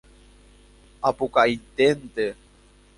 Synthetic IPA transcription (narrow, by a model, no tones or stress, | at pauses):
apukait̪ent̪e